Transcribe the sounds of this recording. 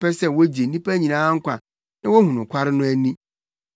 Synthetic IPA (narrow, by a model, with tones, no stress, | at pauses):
pɛ˦sɛ˦wo˦d͡ʑi˨n̩˦ĩ˦pæ˦ɲĩ˨nãː˦ŋ̩˦kʷa̰˨ | nɪ̃˦wo˦hũ˨nʊ̃˨kʷʰa˦ɾɪ˦nʊ̃˦æ˦nĩ˦